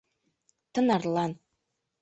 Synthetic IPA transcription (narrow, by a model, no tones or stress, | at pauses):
tʰɨnarlan